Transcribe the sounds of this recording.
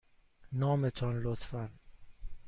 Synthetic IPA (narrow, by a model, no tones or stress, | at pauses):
nɒːmet̪ʰɒnlot̪fæn